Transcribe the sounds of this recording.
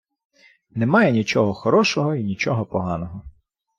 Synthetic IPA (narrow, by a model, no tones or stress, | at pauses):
nemɑjɛnʲit͡ʃɔɦɔxɔɾɔʃɔɦɔinʲit͡ʃɔɦɔpɔɦɑnɔɦɔ